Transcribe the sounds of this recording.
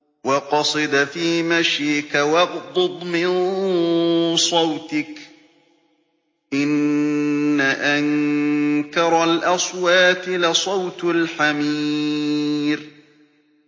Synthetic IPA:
wɑqɑsˤɨd̪afiːmaʃjɪkawɑɣd̪ˤʊd̪ˤmɪn | sˤɑwt̪ɪk | ʔɪnː | aʔaŋ | kɑɾˤalʔɑswaːt̪ɪlɪsˤɑwt̪ʊlħamiː | ɾ

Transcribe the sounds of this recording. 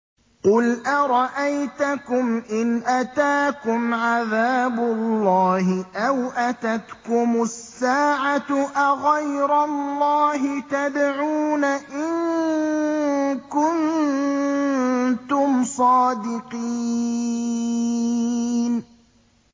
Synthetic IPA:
qʊlʔaɾˤɑʔajt̪akʊmʔɪnʔat̪aːkʊmʕaðaːbʊlːɑːhɪʔawʔat̪at̪kʊmʊsːaːʕaʔaɣajɾalːɑːɦɪt̪ad̪ʕuːnaʔɪŋ | kʊn | t̪ʊmsˤɑːd̪ɪqiː | n

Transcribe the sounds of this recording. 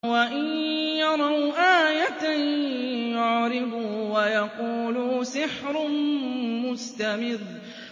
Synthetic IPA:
waʔɪnjɑɾˤɑwʔaːjat̪a | jʊʕɾɪbʊwajaquːlʊsɪħɾʊ | mʊst̪amɪðˤ

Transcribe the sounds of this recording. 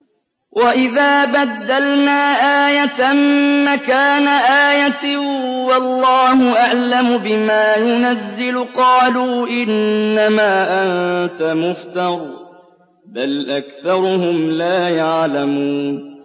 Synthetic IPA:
wʔaʔɪðaːbad̪ːalnaːʔaːjat̪amːakaːnaʔaːjat̪wɑlːɑːhʊʔaʕlamʊbɪmaːjʊnazːɪlʊqɑːluːʔɪnːamaːʔant̪amʊft̪ɑɾˤ | balʔakθɑɾˤʊhʊmlaːjaʕlamuːn

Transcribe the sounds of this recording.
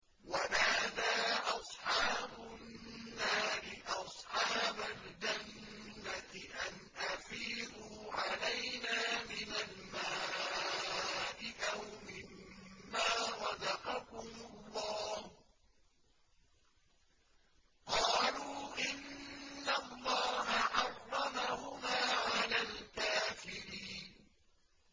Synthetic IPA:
wamaːd̪aːʔɑsˤħɑːbʊnːaːɾɪʔɑsˤħɑːbald͡ʒanː | at̪ɪʔanʔafiːd̪uːʕalajnaːmɪnalma | ʔɪʔawmɪmːaːɾˤɑdɑqɑkʊmʊlːɑːh | qɑːluːʔɪnːalˤːɑːɦaʕɑrˤːɑmahʊmaːʕalaːlkaːfɪɾiːn

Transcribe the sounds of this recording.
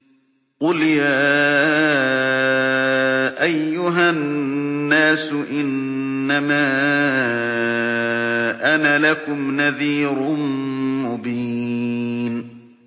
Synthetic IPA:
qʊljaː | ʔajːʊɦanːaːsʊʔɪnː | amaː | ʔanalakʊmnaðiːɾʊmʊbiː | n

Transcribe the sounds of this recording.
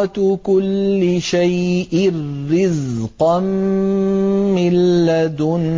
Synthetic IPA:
t̪kʊlːɪʃajʔɪːɪzqɑn | mɪlːad̪ʊn

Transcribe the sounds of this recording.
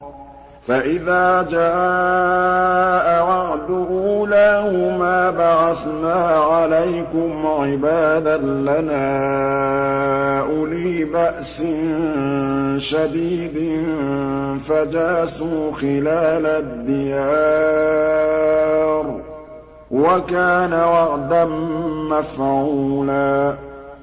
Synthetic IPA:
faʔɪðaːd͡ʒaːʔ | ʔaʕɑʔd̪uʔuːlaːhmaːbaʕaθnaːʕalajkʊmʕɪbaːd̪alanaː | ʔʊliːbaʔsɪn | ʃad̪iːd̪ | fad͡ʒaːsuːxɪlaːlad̪ːɪjaː | ɾ | wakaːnaɾɑqd̪anmafʕulaː

